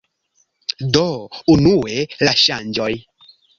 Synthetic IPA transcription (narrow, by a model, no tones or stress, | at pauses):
dounuelaʃand͡ʒoj